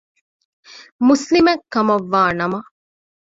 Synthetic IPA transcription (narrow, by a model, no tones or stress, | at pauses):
muslimekːɐmɐʋːaːnɐmɐ